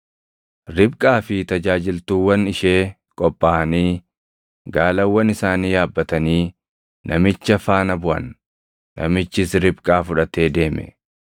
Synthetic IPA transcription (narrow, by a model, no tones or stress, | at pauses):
ɾɪbkʼaːfɪt̪ɐd͡ʒaːd͡ʒɪlt̪uːwːɐnɪʃe̞ː | kʼɔpʼːaːɐniː | ɡaːlɐwːɐnɪsaːniːjaːbːɐt̪ɐniː | nʔɐmɪt͡ʃːɐfaːnɐbʊʔɐ̰nː | ɐ̰mɪt͡ʃːɪsɾɪb̚kʼaːfʊᶑɐt̪e̞ːd̪e̞ːmɛ̰